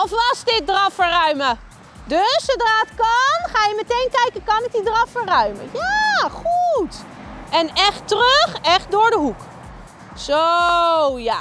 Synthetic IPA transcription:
ɔfʋɑsdɪt̚drɑfərœɥmə | døssowdraːətkɑnχaːjəmɛtejnkɛjkəkɑnɪk̚didrɑfərœɥmə̰jaχutʔɛnɛχtrøχɛχt̚dʊːɹdəɦuk | so | ja

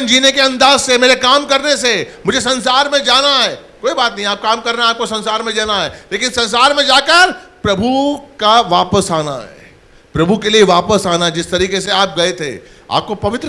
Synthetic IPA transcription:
nd͡ʒiːnekeɐ̃nd̪aːzsemeːɾekaːmkɐɾnesemʊd͡ʒʱesɐ̃nsaːɾmẽd͡ʒaːnaɦɛːkoːibaːt̪nɐɦĩaːp̚kaːmkɐɾnaaːp̚kosɐ̃nsaːɾmẽd͡ʒaːnaɦɛːleːkɪnsɐ̃ns̬aːɾmẽd͡ʒaːkəɾpɾɐbʱukaʋaːpəsaːna̰ɦɛ̰ː | pɾɐbʱukelieʋaːpəsaːnaɦɛd͡ʒɪst̪ɐɾiːkeseaːp̚ɡɐet̪ʰḛ | a̰ːp̚kopɐʋɪt̪ɾə

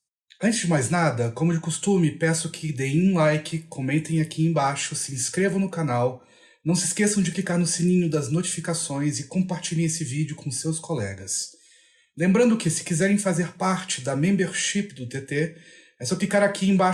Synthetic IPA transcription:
ɐ̃t͡ʃɪzd͡ʒɪmajznad̪ɐkõmʊd͡ʒɪkost̪ũmɪpɛsʊkʰɪd̪ej̃ũlajkɪkʰomẽnt̪ẽj̃akʰiẽj̃baʃʊsɪĩskɾevɐ̃w̃nʊkanaw | nɐ̃w̃sɪskesɐ̃w̃d͡ʒɪklikaɾnʊsĩnĩɲʊd̪ɐznot͡ʃi̥fikasõj̃zɪkõpaɾt͡ʃilẽj̃esɪvid͡ʒɪʊkõsewskolɛ̰ɡɐs | lẽmbɾɐ̃nd̪ʊkɪsɪ̥kizɛɾẽj̃fazeɾpaɾt͡ʃɪd̪ɐmẽmbeɾʃipd̪ʊt̪et̪e | ɛsɔklikaɾakʰiẽj̃ba

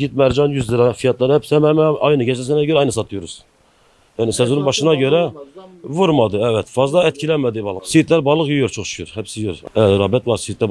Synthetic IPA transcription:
ɡʲit̪mɛɾd͡ʒɑnjyzd̪ɪɾɑfijɑt̪lˠɑɾhɛpsɛmɛmɛɑjnɨɡʰʲɛt͡ʃlɛsɛnɛkʰøɾɛɑjnɨsɑt̪ʰujuɾuz̥ | jɑnɪsɛzunɨnbɑʃɨnɑkʰʲøɾɛvuɾmɑd̪ɨɛvɛt̪fɑzd̪ˠɑɛt̪̚ʲkʰʲilɛnmɛd̪ɪbɑlˠəseit̪læɾbɑlˠəqjyjuɾt͡ʃʰoχʃy̥kʰʲyɾhɛpsɪjoɾɾɑbɛt̪lˠɑɾsit̪̚læ

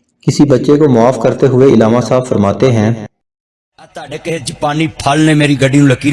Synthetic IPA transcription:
kɪsibətːʃekomʊaːfkəɾt̪eɦʊeɪlaːmasaːbfəɾmaːt̪eɦɛ̃ː | t̪ːekeɦd͡ʒɪpaːniːpʰaːlneːmeːɾiɡəɖʱiũləkiː

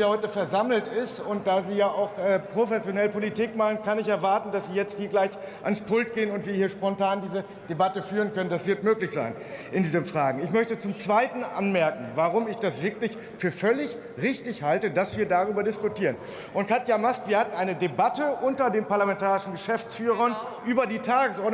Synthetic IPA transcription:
jahɔʏtəfɛɐzaml̩tɪstʊnt̚d̥aːziːjaːʔaʊxʔɛːpʁ̥ofɛsjonɛlpolitiːkmaχn̩kanɪçɛɐvaɐtn̩dasz̥iːjɛt͡sthiːɐɡlaɪçʔanspʰʊltɡ̥eːənʊntv̥iːɐhiːɐʃpɔntaːndiːzə | d̥ebatəfyːʁənkœnəndasv̥ɪɐtmøːklɪçz̥a̰ɪn | ʔɪndiːzənfʁ̥aːɡŋ̩ɪçmœçtət͡sʊmt͡sv̥aɪtn̩ʔa̰nmɛɐkŋ̩vaʁʊmɪçd̥asv̥ɪɐklɪç | fyːɐfœlɪç | ʁɪçtɪçhaltədasv̥iːɐdaʁ̞yːbɐdɪskʊtʰiːʁən | ʔʊnt̚kʰatjamaskv̥iːɐhatn̩ʔaɪnədebatəʔʊntɐdeːmpaɐlamɛntaːʁɪʃn̩ɡəʃɛft͡sfyːʁ̞ɐn | ʔyːbɐdiːtʰaːɡəsʔɔɐd

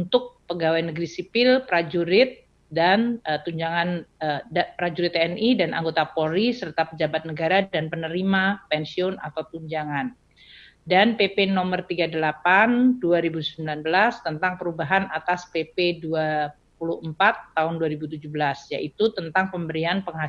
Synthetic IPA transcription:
unt̪ʊk̚pəɡawajnəɡɾisipɪlpəɾad͡ʒuɾɪt̪̚ | danət̪uɲd͡ʒaŋanəapəɾad͡ʒuɾɪt̪eɛnidanʔa̰ŋɡot̪apoɾisərt̪apəd͡ʒabat̪̚nəɡaɾadanpənəɾimapɛnsiɔnat̪awt̪uɲd͡ʒaŋan | danpepenɔmərt̪iɡadəlapanduaɾibusəmbilanbəlast̪ənt̪aŋpəɾubaɦanat̪aspepedua | puluhəmpat̪ːaɦʊnduaɾibut̪̬ud͡ʒubəlasja̰ʔit̪ut̪ənt̪aŋpəmbəɾianpəŋɦa

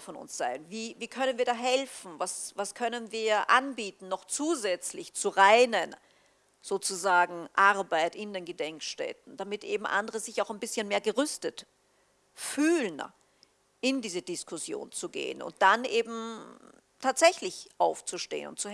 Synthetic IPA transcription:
fɔnʊ̰nsz̥aɪnviːviːkʰœnənviːɐdaːɦɛlfn̩vasvaskʰœnənviːɐʔanbiːtn̩ːɔχt͡suːzɛt͡slɪçt͡suʁaɪnən | z̥oːt͡suzaːɡŋ̩ʔaɐbaɪtɪndeːnɡədɛŋkʃtɛ̰tn̩d̥amɪtʔeːbm̩ʔa̰ndəʁəzɪçaʊxaɪnbɪsçənmeːɐɡəʁʏstət | fyːln | ɪndiːzədɪskʰʊsjo̰ːnt͡suɡḛːənʊ̰nt̚d̥anʔeːbm̩ | tʰaːtz̥ɛçlɪçʔaʊft͡suʃtḛːənʊ̰nt̚t͡su

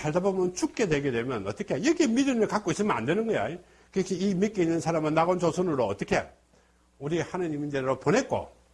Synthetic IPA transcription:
kaɭdabomjʌnt͡ɕʰuk̚k͈e̞dwe̞ɡedwe̞mjʌnʌt͈ʌkʰeiɾʌɡemidɯmɯɭkak͈ois͈ɯɭmʌna̰ndwe̞nɯnɡʌja̰e | kɯɾʌkʰiimik͈einːɯnsʰaɾamɯnːaɡont͡ɕosʰonɯɾoʌt͈ʌkʰe | uɾihanɯɲimind͡ʑeɾoponɦe̞t̚k͈o̰

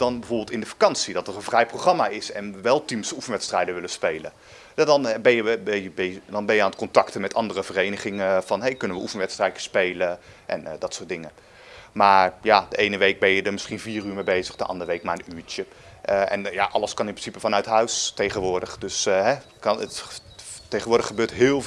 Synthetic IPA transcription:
d̥ɑnbəvoːɹbɪːlˠtɪndəfḁkɑnsidɑtərənvrɛjproχrɑmaɪsɛnəʋɛlˠtimsufənʋɛtstrɛjdəʋɪləspejlə̰ | dɑnbɛjəbɛjəbdɑnbɛnjəaːnət̚kɔntɑktəmɛtɑndərəvərejnəχɪŋəv̥ɑnɦejkɵnənʋəʔufənʋɛtstrɛjə̥spejləʔɛ̰ndɑtsʊːtdɪŋə | maːɹjad̥əejnəʋejk̚bɛnjədəɹmɪsχinviːryːɹmejbejzəχdəʔɑ̰ndəʋejk̚maːɹənyːɹt͡ʃə | ʔɛ̰njaʔɑləskɑnɪnmprɪnsipəfɑnœɥtɦœɥstejχənʋʊːɹdəχdɵsɦɛ | kɑnət | tejχənʋʊːɹdəχəbøːtɦɪːlˠ

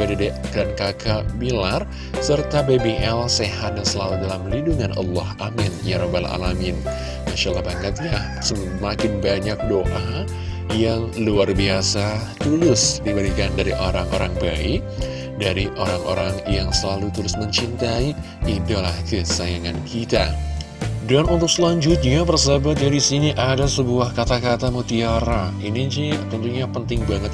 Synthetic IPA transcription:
adadikəɾankakabilar | sərt̪abebeʔɛlseɦat̪̚dasəlaludalamliduŋanʔɑ̰lːɑhamɪnjaɾɔbala̰lamɪn | maʃaʔlːɑhbaŋat̪ja | sə | makɪnbaɲak̚doʔa | jaŋluarbiasat̪ulʊsdibəɾikandaɾiʔoɾaŋo̰ɾaŋbaɪ | daɾiʔoɾaŋʔo̰ɾaŋjaŋsəlalut̪əɾʊsməɲt͡ʃint̪ai | it̪ulahkəsajaŋankʰit̪a̰ | danunt̪ʊk̚səlaɲd͡ʒʊt̪̚ɲapərsabat̪̚aɾisiniʔadasəbuahkat̪akat̪amut̪iaɾainid͡ʒit̪ɔnt̪uɲapənt̪ɪŋbaŋət̪̚

